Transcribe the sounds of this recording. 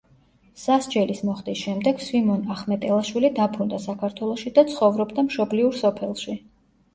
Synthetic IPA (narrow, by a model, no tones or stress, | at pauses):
sasd͡ʒɛlismɔχt̪ʼisʃɛmd̪ɛɡ̥swimɔnaχmɛt̪ʼɛlˠaʃwilid̪apʰɾund̪asakʰaɾt̪ʰwɛlˠɔʃid̪at̪sʰχɔvɾɔbd̪amʃɔbliuɾsɔpʰɛlˠʃi